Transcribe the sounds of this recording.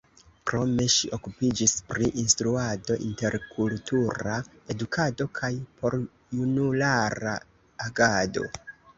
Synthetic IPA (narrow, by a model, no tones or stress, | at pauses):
kɾo̞me̞ʃiʔo̞kupid͡ʒispɾiʔinstɾuado̞ʔinte̞ɾkʰultuɾa | edukʰado̞kʰajpo̞ɾ | junulaɾa̰ | aɡado̞̰